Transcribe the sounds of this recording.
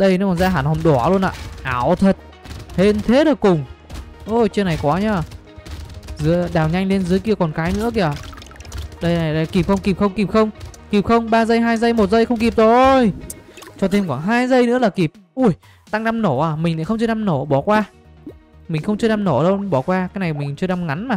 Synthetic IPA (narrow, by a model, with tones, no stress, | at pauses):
ɗə˧jnː˧˨˦kɔ˨˩nzaː˧ɦaː˧˩nhɔ˨˩mɗɔ˧˩˨lu˧ənʔa̰ː˧˨ʔaː˧˩wt̪ʰə˨˩t̚ | he˧nt̪ʰe˨˦ɗə˨˩kkʊ˨˩ŋ͡mʔə˧˩t͡ɕi˧əna˨˩jkwɔ˨˦ɲaː˧˩ | zɨ˨˧˦əɗaː˨˩wɲa˧jŋ̟le˧nzɨ˨˦əjki˧əkɔ˨˩nkaː˨˦jnɨ̰˧˥əki˧˩ə˨˩ | ɗə˧jna˨˩ja˧˩ki˨˩p̚xə˧wŋ͡mki˨˩p̚xə˧wŋ͡mki˨˩p̚xə˧wŋ͡mki˨˩p̚xə˧wŋ͡mɓaː˧zə˧jɦaː˧jzə˧jmo˨˩t̚zə˧jxə˧wŋ͡mki˨˩p̚zo˨jt͡ɕɔ˧t̪ʰe˧mkɔ˧˩nɦaː˧jzə˧jnɨ̰˧˥əlaː˨˩ki˨˩p̚ʔu˧˩j | t̪a˧ŋna˧mno˧˩ʔaː˨˩mï˨˩ŋ̟la̰ː˧˥xə˧wŋ͡mt͡ɕɨ˧na˧mno˧˩ɓɔ˧˩kwaː˧ | mï˨˩ŋ̟xə˧wŋ͡mt͡ɕɨ˧əna˧mno˧˩ɗə˧wɓɔ˧˩kwaː˧kaː˨˦jna˨˩jmï˨˩ŋ̟t͡ɕɨ˧na˧mŋa˨˦nmaː˨˩